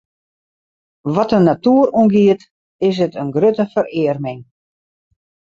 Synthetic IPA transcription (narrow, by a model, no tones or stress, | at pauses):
ʋɔtənːatuəruənɡiət | ɪs̬ətənɡrøtəfərɪərmɪŋ